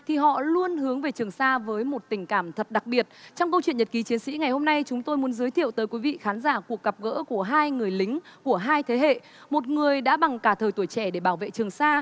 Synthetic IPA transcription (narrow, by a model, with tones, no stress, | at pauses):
t̪ʰi˨˩ɦɔ̰˧˨lu˧ənhɨ˨˦əŋve˨˩t͡ɕɨ˨˩əŋsaː˧vəː˨˦jmo˨˩t̚t̪ï˨˩ŋ̟kaː˧˩mt̪ʰə˨˩t̚ɗa˨˩k̚ɓi˨˩ət̚t͡ɕɔ˧wŋ͡mkə˧wt͡ɕwḭ˧˨ənɲə˨˩t̚ki˨˦t͡ɕi˨˦ənsḭ˧˥ŋa˨˩jho˧mna˧jt͡ɕʊ˨˦ŋ͡mt̪o˧jmu˨˦ənzɨː˨˦jt̪ʰḭ˧˨əwt̪əː˨˦jkwi˨˦vḭ˧˨xaː˨˦nzaː˧˩ku˨˩ək̚ɣə˨˩p̚ɣə̰ː˧˥ku˧˩əɦaː˧jŋɨ˨˩əjlï˨˦ŋ̟ku˧˩əɦaː˧jt̪ʰe˨˦ɦḛ˧˨ | mo˨˩t̚ŋɨ˨˩əjɗa̰ː˧˥ɓa˨˩ŋkaː˧˩t̪ʰəː˨˩jt̪u˧˩jt͡ɕɛ˧˩ɗe˧˩ɓaː˧˩wvḛ˧˨t͡ɕɨ˨˩əŋsaː˧